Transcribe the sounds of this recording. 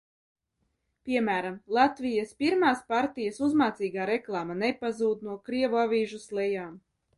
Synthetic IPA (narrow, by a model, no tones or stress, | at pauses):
pʲiɛmæːɾamlˠat̪vijaspiɾmaːspaɾt̪ijasuzmaːt̪siːɡaːɾeklˠaːmanepazuːd̪nuɔkɾiɛvuavʲiːʒuslˠɛjaːm